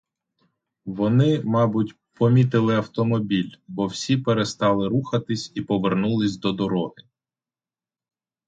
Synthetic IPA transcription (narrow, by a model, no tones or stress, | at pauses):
ʋɔnɪmɑbʊtʲ | pɔmʲit̪ɪlˠɪɐwt̪ɔmɔbʲilʲbɔwsʲipeɾe̞st̪ɑlˠɪɾuxɐt̪ɪsʲipɔʋernulˠɪsʲd̪ɔd̪ɔɾɔɦɪ